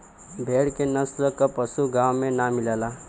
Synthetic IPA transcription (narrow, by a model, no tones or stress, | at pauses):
bʱeːɽkenəsɾəkːapəsuɡaːwmẽnamɪleːla